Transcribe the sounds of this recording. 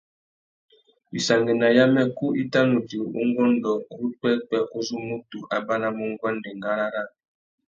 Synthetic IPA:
bi˨sa˨ŋɡe˨na˨ja˦mɛ˦ku˦ʔi˦ta˦nu˨ti˨ṵ˦ŋɡɔ˦ndɔ˨ɾu˦k͡pɛ˦k͡pɛ˨ʔu˦zu˦mu˦tu˨ʔa˨ba˦na˦mu˦ŋɡwa˦ndɛ˨ŋɡa˦ɾa˦ɾa˦

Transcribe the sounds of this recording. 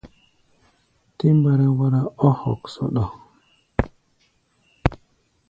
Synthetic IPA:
ti˦mba˨ɾa˦wa˦ɾa˦o˦ho̰˨kso̰˦ɗo˨

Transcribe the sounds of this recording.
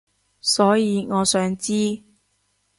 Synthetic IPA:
sɔː˨˥jiː˨˧ŋɔː˨˧sœː˨˥ŋt͡siː˥

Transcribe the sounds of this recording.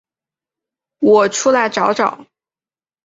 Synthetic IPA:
wɔ˨˩ʈ͡ʂʰu˥la˧˥ɪʈ͡ʂɑ˧˥ʊʈ͡ʂɑ̰˨˩˦ŋ

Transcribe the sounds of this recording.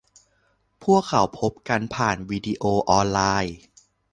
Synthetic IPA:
pʰu˥˩əkʰːa˨˩˦wpʰo˦˥p̚ka˧npʰaː˨˩nwiː˧di˧ʔoː˧ʔɔː˧nlaː˧j

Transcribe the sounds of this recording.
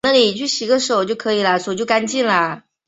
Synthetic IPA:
na˥˩li˨˩t͡ɕʰy˥˩ɕi˨˩ɡə˧ʂ̩˧o˨˩ʊt͡ɕjo˥˩ʊkʰɤ˧˥i˨˩lə˧˦ʂo˨˩ʊt͡ɕjo˥˩ʊka˥nt͡ɕi˥˩nlə˩

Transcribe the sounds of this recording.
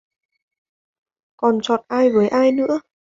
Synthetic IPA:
kɔ˨˩nt͡ɕɔ˨˩t̚ʔaː˧jvəː˨˦jʔaː˧jnɨ̰˧˥ə

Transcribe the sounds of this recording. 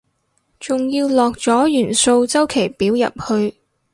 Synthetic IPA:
t͡sʊ˨ŋjiː˧wlɔː˨k̚t͡sɔː˨˥jyː˨˩nso˧wt͡sɐ˥wkʰe˨˩jpiː˨˥wjɐ̰˨p̚hɵ˧ɥ

